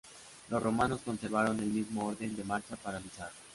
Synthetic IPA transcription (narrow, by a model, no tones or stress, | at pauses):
lo̞sro̞mano̞sko̞nse̞ɾβaɾo̞ne̞lmizmo̞oɾðe̞nd̪e̞maɾt͡ʃapaɾalisaɾ